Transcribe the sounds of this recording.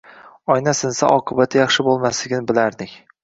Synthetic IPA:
ɒjnasɪnsa̰ʔɒqʰɨbat̪ʰɪjɑχʃɪbolˠmaslɪɡʲnɪbɪlaɾd̪ɪkʲ

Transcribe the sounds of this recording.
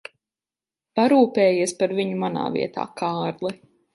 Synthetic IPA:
paɾuːpɛːjiɛspaɾviɲumana̰ːvḭɛt̪a̰ːkaːɾlˠɛ

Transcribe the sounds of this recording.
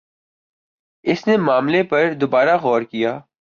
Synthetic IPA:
ɪsnemaːmlepɐɾd̪obaːɾaɣɔːɾkijaː

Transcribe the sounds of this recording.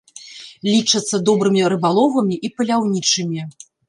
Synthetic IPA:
lʲit͡ʂɐt̪sːɐd̪ɔbɾɨmʲiɾɨbalˠɔvɐmʲiʔipɐlʲawnʲit͡ʂɨmʲi

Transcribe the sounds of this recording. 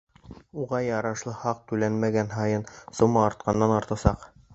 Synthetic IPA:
uʁɑjɑɾɑʃlˠɤhɑq̚t̪ʉlænmæɡænɦɑjɤnsŏmɑːɾt̪̚qɑnːɑnɑɾt̪ɑsɑq

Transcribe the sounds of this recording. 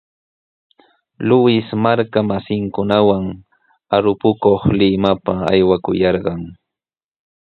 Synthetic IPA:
lʊwɪsmaɾkamasɪŋkʊnawaŋ | aɾʊpʊkoχlɪmapaajwakʊjɑɾɢɑŋ

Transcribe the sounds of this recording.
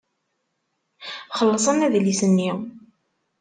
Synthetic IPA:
χəlːəsˤənæðlisənːiw

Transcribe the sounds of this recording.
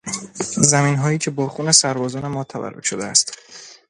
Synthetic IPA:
zæmiːnɦɒːiːcʰe̞bɒːxuːne̞sæɾbɒːzɒːne̞mɒːt̪ʰævæ̰rːo̰kʃod̪eæ̰st̪

